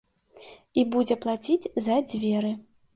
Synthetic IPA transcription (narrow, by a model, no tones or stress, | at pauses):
ibud͡zʲɛplˠat͡sʲid͡zʲzɐd͡zʲvʲɛɾɨ